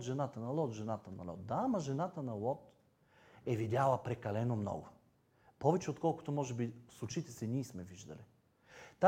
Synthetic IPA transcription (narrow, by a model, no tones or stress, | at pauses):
t̪ʒɛnat̪ənɐlˠɔt̪ʒɛnat̪ənɐlɔ̰t̪̚d̪aːmɐʒɛnat̪ənɐlˠɔt̪ | ɛvid̪ʲalˠəpɾɛkɐlɛnomnɔ̰ɡʊ | pɔvɛt͡ʃɛot̪kɔlˠkʊ̥t̪omɔʒɛbisˠut͡ʃit̪ɛsɛniːsmɛviʒd̪ɐ̰li | t̪a